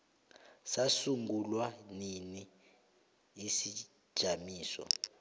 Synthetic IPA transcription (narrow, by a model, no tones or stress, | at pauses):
sasuŋɡulwanini | isi̥ | ʒ̥ʱamiːsɔ̰